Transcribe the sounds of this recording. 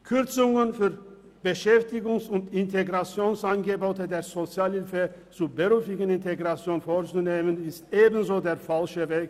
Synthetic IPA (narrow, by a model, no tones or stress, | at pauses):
kʰʏʁt͡sʊŋənfyːɐ | b̥əʃɛftɪɡʊŋsʊntɪntʰeɡʁat͡sjoːnsaɪnɡəboːtədeːɐzot͡sjaːlhɪlfət͡suːbəʁyːfɪɡən̩ɪnteɡʁat͡sjoːnfoːʁt͡suneːmənɪstʔeːbn̩zoːdeːɐfalʃəveːk